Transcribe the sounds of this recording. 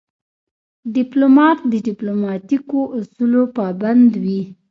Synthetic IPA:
ɖiplomɑt̪̚d̪əɖiplomɑt̪ikoʔusulopɑband̪wi

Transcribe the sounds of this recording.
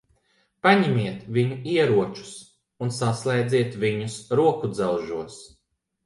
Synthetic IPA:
paɲimiɛt̪viɲuiɛɾuɔt͡ʃu̥s | unsaslˠɛjd̪ziɛt̪viɲusɾuɔkud̪zɛwʒuɔs

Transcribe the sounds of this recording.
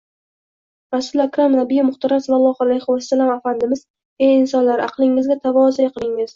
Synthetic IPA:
ɾasʊlakɾamnabɪjɪmʊχt̪aɾamsmalˠɒhalajhʊwasːalamafand̪ɪmɪz̥ | ejɪnsɒnlaɾɑqlˠɪŋɪzɡʲat̪ʰavɒzijqʰɨlˠɪŋɪz̥

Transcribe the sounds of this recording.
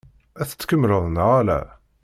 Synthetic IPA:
æθə̥t͡sːkəmːləðˤnʁælæ̰

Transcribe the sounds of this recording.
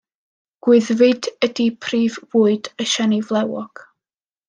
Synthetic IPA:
ɡ̥wɪðvɪdədipʰriːvvuːɨdəʃɛnivlˠɛwɔɡ̥

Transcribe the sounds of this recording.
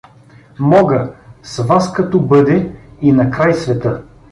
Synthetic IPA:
mɔɡəsvaskɐt̪ɔbɤd̪ɛinɐkɾajsvɛt̪ɤ

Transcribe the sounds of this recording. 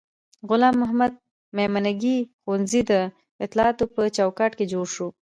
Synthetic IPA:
ɣʊlɑmːʊɦamad̪̚ | memanaɡixonzid̪ə | ɪt̪lɑɑt̪opət͡ʃawkɑʈked͡ʒoɽʃo

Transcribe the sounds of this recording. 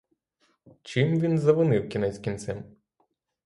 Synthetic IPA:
t͡ʃɪmʋʲinzɐʋʊnɪwkʲinɛsʲkʲint̪sɛm

